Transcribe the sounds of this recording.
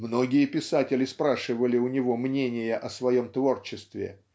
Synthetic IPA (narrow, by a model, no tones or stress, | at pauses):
mno̞ɡʲɪjəpʲɪsatʲɪlʲɪspɾaʂɨvəlʲɪʊnʲɪvo̞mnʲenʲɪjəʔɐsvɐjo̞mt̪vo̞rt͡ɕɪst̪vʲɪ̰